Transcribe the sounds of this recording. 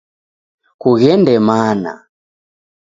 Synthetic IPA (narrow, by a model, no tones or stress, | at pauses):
kuɣɛndɛmana̰